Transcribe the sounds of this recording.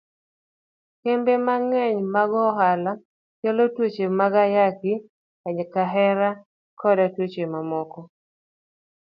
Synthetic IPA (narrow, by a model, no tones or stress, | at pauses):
kembemaŋɛɲmaɡɔɦala | t͡ʃalɔtwot͡ʃemaɡajaki | aɲɛkaɦɛɾa | kʰɔdatwot͡ʃemamɔkɔ